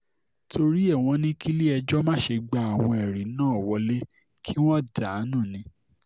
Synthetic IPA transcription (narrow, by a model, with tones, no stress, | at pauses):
tʰo˧ɾi˦ɛ˦˨w̃ɔ̃˧nĩ˦kʰi˦li˦ɛ˧d͡ʒɔ˦mã˦ʃe˧ɡ͡ba˧˨a˨w̃ɔ̃˧ɛ˨ɾi˨˦nãː˦˨wɔ˧˦le˦ | kʰi˦w̃ɔ̃˦da˨˦nũ˦˨nĩ˨˦